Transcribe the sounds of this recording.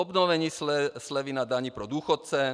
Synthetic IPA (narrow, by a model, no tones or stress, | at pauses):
ɔbnɔʋɛɲiːslɛʋinad̪aɲipɾɔd̪uːxɔt̪̚t͡sɛ